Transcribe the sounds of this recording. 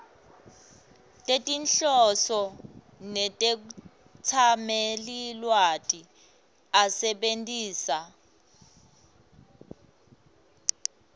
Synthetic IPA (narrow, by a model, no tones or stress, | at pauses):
tʼetʼinɬɔsɔ | nɛtʼek̬u | t͡sʰamelilwatʼi | asɛɓentʼiːsa